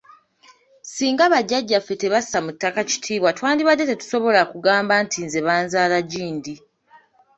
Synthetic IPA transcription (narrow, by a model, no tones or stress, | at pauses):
siːŋɡaβaɟːaɟːafːe̞te̞βassamutːakaci̥tʰiːβwatwaːndiβade̞te̞tu̥so̞βo̞lakuɡaːmbantʰinze̞βaːnzaːlaɟiːndi